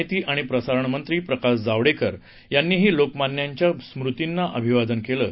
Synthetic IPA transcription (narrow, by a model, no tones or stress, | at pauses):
t̪iːʔaɽ̃ipɾəsaɾəɳmənt̪ɾiːpɾəkasd͡zaʋɽekəɾ | janːiːɦiːlokmanjaɲt͡ɕjasmɾut̪inːaʔəbʱiʋad̪ənkeləː